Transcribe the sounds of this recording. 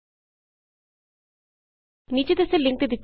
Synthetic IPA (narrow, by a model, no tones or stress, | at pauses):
nid͡ʑed̪eseliŋk̚t̪ed̪it̪ː